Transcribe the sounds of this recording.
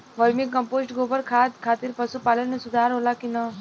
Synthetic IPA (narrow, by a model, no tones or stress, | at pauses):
ʋəɾmikəmposʈɡobəɾkʰat̪kʰat̪iːɾpəsupalənːesud̪ʱaɾɦolakinə